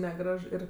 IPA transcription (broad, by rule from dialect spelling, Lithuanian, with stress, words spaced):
nʲɛˈɡrɐʃ ˈɪr